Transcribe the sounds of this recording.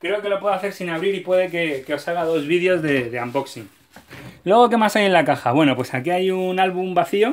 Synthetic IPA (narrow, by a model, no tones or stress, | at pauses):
kɾe̞oke̞lo̞pwe̞ðoaθe̞ɾsinaβɾiɾipwe̞ðe̞ke̞ke̞o̞saɣaðo̞zβiðjo̞zðe̞ðeambo̞ksiŋ | lwe̞ɣ̞o̞ke̞masaje̞nlakaxaβwe̞no̞pwe̞sakiajunalβumbaθio̞